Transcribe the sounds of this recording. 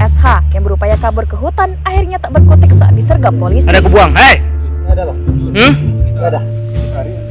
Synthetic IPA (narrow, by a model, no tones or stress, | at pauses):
ɛshajaŋbəɾupajakabʊrkəɦut̪anahirɲat̪aʔbərkut̪ɪk̚saa̰t̪̚disərɡapolɪsadakəbuaŋa | dla